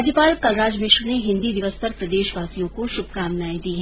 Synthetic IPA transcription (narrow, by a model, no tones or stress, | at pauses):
d͡ʒjəpaːlkɐlɾaːd͡ʒmɪʃɾneɦɪ̃nd̪id̪ɪʋəspɐɾpɾɐd̪eːʃʋaːsijõkoʃʊb̚ʱkaːmnaːẽd̪iːɦɛ